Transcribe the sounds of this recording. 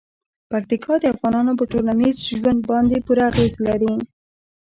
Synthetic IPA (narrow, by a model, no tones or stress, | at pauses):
pakt̪ikʰɑd̪əafɣɑnɑnop̬əʈolanizʒwand̪̚bɑnd̪epuɾaːɣezlaɾi